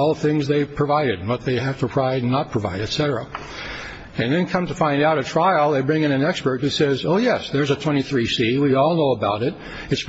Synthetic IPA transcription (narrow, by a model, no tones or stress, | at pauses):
ɔlˠθɪ̃ŋzðeɪpʰɹ̥ɨvaɪɾɨdn̩wʌt̪̚ðeɪɦæftəpʰɹ̥aɪdnːət̚pʰɹ̥əva̰ɪɾɨtsɛɾə˞ə̰ | ɨ̃nðɨ̃nkʰʌ̃mtʰəfãɪ̃ndaʊɾɨtʰɹ̥aɪl̩ˠðeɪbɹɪ̃ŋɨ̃ñɨ̃nɛkspə˞t̚hʉsɛzoʊjɛsðə˞zɨtʰw̥ɛ̃ɾ̃iθɹisiwiɔlˠnoʊəbaʊɾɪɾ̚ | ɨts